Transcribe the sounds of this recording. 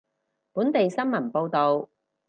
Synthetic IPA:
puː˨˥nt̪e˨jsɐ˥nmɐ˨˩npo˧wt̪o˨w

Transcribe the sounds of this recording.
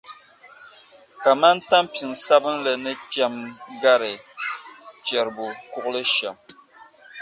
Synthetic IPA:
ka˨ma˦n˦ta˦mpi˨ŋsa˦bɨ˦nlɨ˨nɨ˦pa˦mɡa˦ɾɨ˨ | t͡ʃɛ˨ɾbu˨ku˦ʔlɨ˦ʃɛ˨m

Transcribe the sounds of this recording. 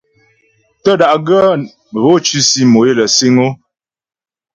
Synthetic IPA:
tə˦˨da˨ʔɡə˦˨ | ɣo˦t͡ʃi˦si˦mo˨e˦˨lə˨si˦ŋo˦

